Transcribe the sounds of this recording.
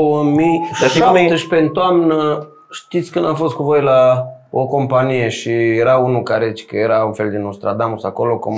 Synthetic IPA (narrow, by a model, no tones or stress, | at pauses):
wəmijʃamet̪əʃʲpent̪oamnə | ʃt̪it̪sʲkɨnd̪afo̞st̪̚kuvo̞jla | oko̞mpanije̞ʃijeɾaunukaɾet͡ʃkəje̞ɾaunfe̞ld̪inust̪ɾad̪amusako̞lo̞kum